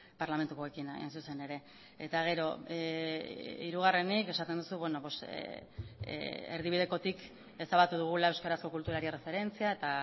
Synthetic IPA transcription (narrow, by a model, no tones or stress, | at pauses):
paɾlame̞nt̪ukoekinḛnsuse̞ne̞ɾe̞ | et̪aɣ̞e̞ɾo̞ | ḭɾuɣ̞are̞nike̞sat̪end̪usuβweno̞pos | eɾð̞iβ̞ið̞e̞ko̞t̪ik | e̞saβat̪uðuɣ̞ulae̞wskaɾasko̞kult̪uɾaɾire̞fe̞ɾe̞nt͡siae̞t̪a